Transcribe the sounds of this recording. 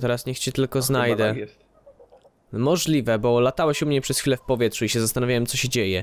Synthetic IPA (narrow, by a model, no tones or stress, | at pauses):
t̪ɛɾasɲɛxt͡ɕɛt̪ɘlkɔznajd̪ɛ | mɔʐlʲivɛbɔlat̪awɛɕumɲɛpʂɛsxʲfʲilɛfpɔvʲjɛt̪ʂuiɕɛzast̪anavʲawɛmsɔɕɛd͡ʑejɛ